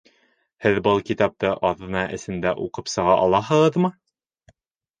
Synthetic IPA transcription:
hɘðbɤlˠkit̪ɑp̚t̪ɤʔɑðɤ̆nɑʔɘ̆sɘ̆nd̪æʔuqɤpsɤ̆ʁɑʔɑlˠɑɦɤ̆ʁɤðmɤ

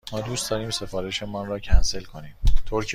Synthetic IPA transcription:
mɒːd̪uːst̪d̪ɒɾiːmse̞fɒːɾeʃemɒnrɒːcʰænse̞lkʰo̞niːmt̪ʰoɾcʰ

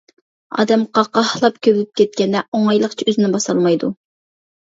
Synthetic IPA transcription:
ɑ̰ːd̪ɛmqɑqɑhlˠɑp̚kʲʰøblɪp̚kʲɛt̪̚kʲɛnːɛoŋɑjlˠəχt͡ʃʰiøzɪnɪbɑsɑlˠmɑjd̪u

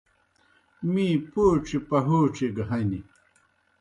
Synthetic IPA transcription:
mĩːpoːʈ͡ʂipɐɦoːʈ͡ʂiɡɦɐni

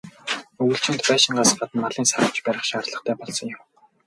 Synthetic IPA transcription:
ɵɣɘ̆ɬt͡ɕʰɪ̆nt̪pæːʃɪ̆ɴɢaːsɢat̪ə̆nmaɮiːnsaɾə̆wt͡ɕpæɾʲɪ̆χʃaːrɮə̆χt̪ʰæːpɔɮsɞ̆ŋjʊm

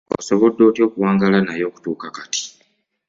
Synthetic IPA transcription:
o̰soβodːo̞ːtjo̞ːkuwaːŋɡalanajo̞ːku̥tuːkakati̥

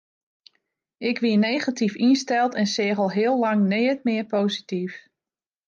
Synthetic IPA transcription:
ɪkʋiənejɣatifinstɛlˠtɛnsɪəɣəlˠɦɪəlˠlɑŋneːət̚mɪərpoːzitif

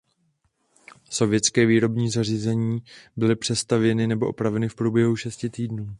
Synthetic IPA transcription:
so̞vjɛt͡skɛːviːɾo̞bɲiːzariːzɛɲiːbɪlɪpr̝̥ɛst̪avjɛnɪnɛboʔopɾavɛnɪfpɾuːbjɛɦuʃɛscɪt̪iːdnuː

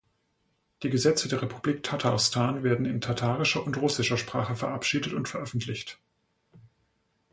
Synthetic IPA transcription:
d̥iːɡəzɛt͡sədeːɐʁepʰubliːk̚tʰatʰaʁstʰaːnveːɐdn̩ɪntʰatʰaːʁɪʃɐʔʊntʁʊsɪʃɐʃpʁ̥aːχəfɛɐʔapʃiːdətʊntfɛɐʔœfn̩tʰlɪçt

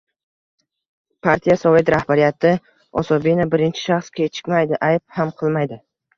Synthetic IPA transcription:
pʰaɾt̪ʰijasɒve̞t̪ɾahbaɾijat̪ɪ | ɒ̰sɒbinabɪɾɪnt͡ʃʰɪ̥ʃaχskʲʰet͡ʃʰɪ̥kʲmajd̪ɪʔajp̚hamqʰɨlˠmajd̪ɪ

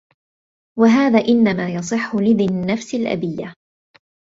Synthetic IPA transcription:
waɦaːðaːʔɪnːamaːjɑsˤɨħːʊlɪðɪnːafsɪlʔa̰bɪjːa

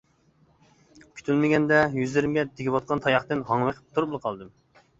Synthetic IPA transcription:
kʲʰy̥t̪ʰylmɪɡʲɛnd̪ɛjyzlɪɾmɡʲɛd̪ʰeɡʲiwɑt̪̚qʰɑnt̪ʰɑjɑχt̪ɨnɦɑŋwəqʰə̥p̚t̪ʰuɾuplˠəqʰɑlˠd̪ɨm

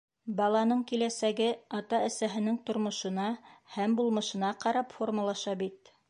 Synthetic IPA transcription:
bɑlˠɑnɤɴkilæsæɡɘɑt̪ɑæ̆sæɦɘ̆nɘŋt̪ŏɾmŏʃɤ̆nɑhæmbulˠmɤ̆ʃɤ̆nɑqɑɾɑpformulˠɑʃɑbit̪

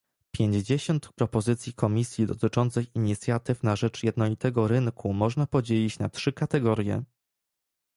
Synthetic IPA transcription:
pʲjeɲd͡ʑd͡ʑeɕɔnt̪pɾɔpɔzɘt̪sʲjikɔmʲisʲjid̪ɔt̪ɘt͡ʂɔnt̪sɘxiɲit̪sʲjat̪ɘfnaʐɛt͡ʂjɛd̪nɔlʲit̪ɛɡɔɾɘŋkʰumɔʐnapɔd͡ʑelʲit͡ɕnatʂɘkat̪ɛɡɔɾʲjɛ̰

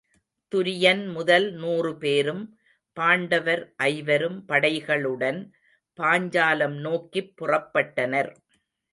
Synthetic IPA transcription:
t̪ʊɾɪjɐnmʊðɐlnuːrɯpeːɾɯm | paːɳɖɐʋɐɾʔɐɪʋɐɾɯmpɐɽɐɪɣɐɭɯɽɐn | paːɲd͡ʒaːlɐmnoːkːipːʊrɐpːɐʈːɐnɐɾ

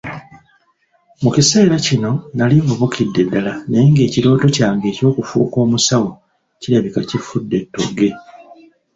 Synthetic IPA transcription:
mucise̞ːɾacino̞naliɱvuβukʰidːe̞dːalane̞ŋɡe̞ːciɾo̞ːto̞caːŋɡe̞ːco̞ːkufṵːko̞ːmusawo | ciɾaβikacifudːe̞tːo̰ɡe̞

